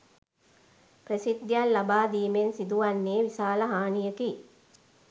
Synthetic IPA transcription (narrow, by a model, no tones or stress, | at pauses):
prəsid̪ːjalːabaːd̪iːmensid̪uʋanːeːʋisaːləɦaːnijəki